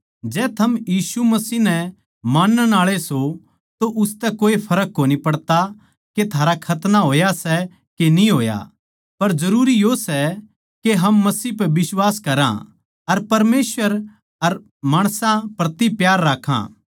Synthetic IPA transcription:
d͡ʒɛːt̪ʰɐmjiːsumɐsiːɦnɛ | maːnːənaːɭeso | t̪oʔʊst̪ɛkoːepʰɐɾək̚ːoːnipɐɽt̪a | ket̪ʰaːɾakʰɐt̪naɦoːjasɛ | kenĩɦoːja̰ | pɐɾd͡ʒɐɾuːɾijosɛ | keɦɐmːɐsiːpɛbɪswaːskɐɾã̰ | ɐɾpɐɾmeːsʋəɾ | ɐɾ | maːɽ̃sãpɾɐt̪ipjaːɾːaːkʰã̰ː

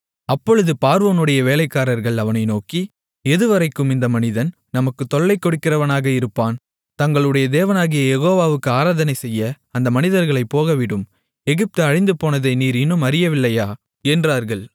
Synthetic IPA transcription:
ɐpːɔɻɯðɯpaːɾʋoːnɯɽɐjɐʋeːlɐɪkːaːɾɐɾɣɐɭɐʋɐnɐɪnoːki | ɛðɯʋɐɾɐɪkːɯmɪnd̪ɐmɐnɪðɐn | nɐmɐkːɯt̪ːɔɭːɐɪkːɔɽɯkːɪrɐʋɐnaːɣɐɪɾɯpːaːn | t̪ɐŋɡɐɭɯɽɐjɐd̪eːʋɐnaːɣɪjɐjɛɣoːʋaːʋɯkːɯaːɾaːðɐnɐɪsɛjːɐ | ɐnd̪ɐmɐnɪðɐɾɣɐɭɐɪpːoːɣɐʋɪɽɯm | ɛɣɪp̚t̪ɯɐɻɪnd̪ɯpoːnɐðɐɪniːɾɪnːɯmɐɾɪjɐʋɪlːɐjaː | ɛndraːɾɣɐɭ

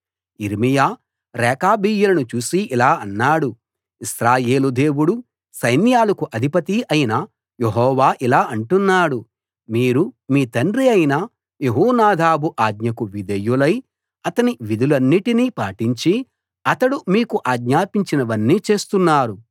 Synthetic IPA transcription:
iɾmijaː | ɾɛːkaːbiːjulɐnut͡ʃuːsiʔilaːɐnːaːɽu | isɾaːje̞ːlud̪e̞ːwuɽu | sɐjnjaːlɐkuʔɐd̪ʱipɐt̪iʔɐjinɐ | jeɦɔːʋaːʔilaːʔɐɳʈunːaːɽu | miːɾumiːt̪ɐɳɖɾiɐjinɐ | jeɦuːnaːd̪ʱaːbuʔaːɡɲɐkuʋid̪ɐjːulɐj | ɐt̪ɐniʋid̪ulɐnːiʈiniːpaːʈiɲt͡ʃi | ɐt̪ɐɽumiːkuʔaːɡɲaːpiɲt͡ʃinɐʋɐnːiːt͡ʃe̞ːst̪unːaːɾu

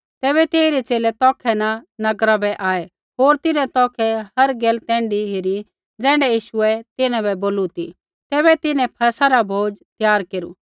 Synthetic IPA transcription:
t̪ɛːbɛt̪eːiɾɛt͡ʃeːlɛt̪ɔːkʰɛnanɐɡɾabɛʔaːɛ | ɦoːɾt̪ɪnɛ̃t̪ɔːkʰɛɦɐɾɡɛːlt̪ɛ̃ːɳɖiɦɪɾi | d͡zɛ̃ːɳɖɛjiːʃʊɛt̪ɪnãbɛboːlut̪i | t̪ɛːβɛt̪ɪnɛ̃pʰɐsaɾabʱoːd͡ʒt̪jaːɾkeːɾṵ

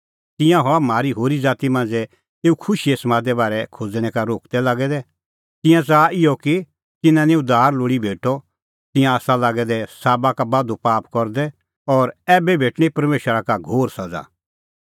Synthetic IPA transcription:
t̪ɪ̃jãɦɔamaːɾiɦoːɾid͡zaːt̪imãːnd͡zɛ | eːukʰʊʃiesɐmaːd̪ɛbaːɾɛkʰod͡zɽ̃ɛ̃kaɾoːkd̪ɛlaːɡɛd̪ɛ | t̪ɪ̃jãt͡saɪjɔki | t̪ɪnãnĩʊd̪ʱaːɾloːɽibʱeːʈɔ | t̪ɪ̃jãːsalaːɡɛd̪ɛsaːbakabaːd̪opaːpkɔɾd̪ɛ | ɔːɾɛːbɛbʱeːʈɽ̃ipɐɾmeːʃəɾakaɡʱoːɾsɐd͡za̰ː

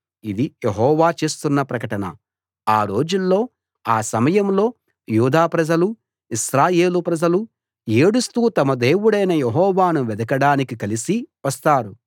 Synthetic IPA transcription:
id̪ijeɦɔːʋaːt͡ʃe̞ːst̪unːɐpɾɐkɐʈɐnɐ̰ | aːɾo̞ːd͡ʒulːo̞ː | aːsɐmɐjɐmlo̞ː | juːd̪aːpɾɐd͡ʒɐlu | iʃɾaːje̞ːlupɾɐd͡ʒɐlu | eːɽust̪uːt̪ɐmɐd̪e̞ːwuɽɐjnɐjeɦɔːʋaːnuʋɛd̪ɐkɐɽaːnikikɐlisiʋɐst̪aːɾu

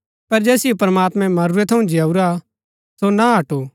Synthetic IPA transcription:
pɐɾd͡ʒɛːsɪjopɾɐmaːt̪mɛ̃mɐɾuɾɛt̪ʰɐũd͡ʒɪauɾa | sonaɦɐʈo

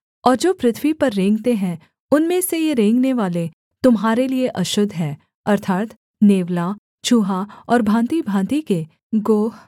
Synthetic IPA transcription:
ɔːɾd͡ʒoːpɾɪt̪ʰʋipɐɾːẽːŋɡt̪eɦɛ̃ | ʊnmẽsejeɾẽːŋɡneʋaːle | t̪ʊmɦaːɾelieʔɐʃʊd̪ʱːɦɛː | ɐɾt̪ʰaːt̪ | neːʋla | t͡ʃuːɦaɔːɾbʱãːnt̪ibʱãːnt̪ike | ɡoːɦ

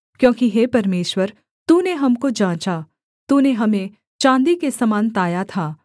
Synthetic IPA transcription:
kjõːkiɦeːpɐɾmeːʃwəɾ | t̪uːneɦɐmkod͡ʒãːt͡ʃa | t̪uːneɦɐmẽ | t͡ʃãːnd̪ikesɐmaːnt̪aːjat̪ʰaː

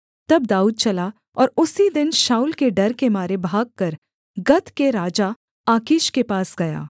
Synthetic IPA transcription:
t̪ɐb̚d̪aːuːd̪̚t͡ʃɐla | ɔːɾʊsid̪ɪnʃaːʊlkeɖɐɾkemaːɾebʱaːɡ̚kɐɾ | ɡɐt̪keɾaːd͡ʒa | aːkɪʃkepaːsɡɐja̰ː

